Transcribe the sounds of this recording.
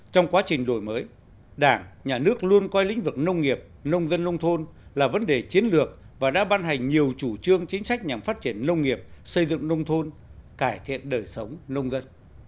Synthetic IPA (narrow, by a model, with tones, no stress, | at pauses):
t͡ɕɔ˧wŋ͡mkwaː˨˦t͡ɕï˨˩ŋ̟ɗo˧˩jməː˨˦j | ɗaː˧˩ŋɲaː˨˩nɨ˦˥ək̚lu˧ənkɔ˧jlḭ̈˧˥ŋ̟vɨ˨˩k̚nə˧wŋ͡mŋi˨˩əp̚nə˧wŋ͡mzə˧nːə˧wŋ͡mt̪ʰo˧nlaː˨˩və˨˦nɗe˨˩t͡ɕi˨˦ənlɨ˨˩ək̚ | vaː˨˩ɗa̰ː˧˥ɓaː˧nɦa˨˩jŋ̟ɲi˨˩əwt͡ɕu˧˩t͡ɕɨ˧əŋt͡ɕï˨˦ŋ̟sa˦˥k̟̚ɲa˨˩mfaː˦˥t̚t͡ɕi˧˩ənːə˧wŋ͡mŋi˨˩əp̚sə˧jzɨ̰˧˨ŋnə˧wŋ͡mt̪ʰo˧nkaː˧˩jt̪ʰḭ˧˨ənɗəː˨˩jsə˨˦wŋ͡mnə˧wŋ͡mzə˧n